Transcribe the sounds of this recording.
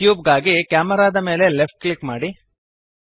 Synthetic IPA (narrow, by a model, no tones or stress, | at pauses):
juːbɡaːɡikaːmɐɾaːd̪ɐme̞ːle̞lefʈ̚klikmaːɽi